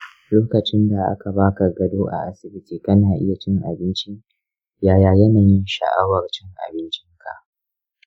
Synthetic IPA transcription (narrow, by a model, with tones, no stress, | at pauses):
loː˦kɐ˨t͡ʃɪ˦nda˨ʔa̰˦ka˨baː˦ka˨ɡɐ˨doː˦ʔa̰˨ʔa˦sɪ˨bɪ˦tiː˨kɐ˦naː˨ʔɪ̰˦ja˨t͡ʃɪ˦ŋʔa̰˨bɪ˦nt͡ʃi˦ | jaː˦jaː˨jɐ˦naː˨jɪ˦nʃɐ̰˨ʔa˦wɐ˨rt͡ʃɪ˦ŋʔa̰˨bɪ˦nt͡ʃɪ˦ŋkʰa̰˨ʔ